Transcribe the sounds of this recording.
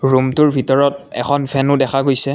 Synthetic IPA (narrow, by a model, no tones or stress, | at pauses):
ɹumtʊɹbʱitɔɹɔt̚ɛ̰xʰɔnpʰɛnʊdɛxʰaɡojsɛ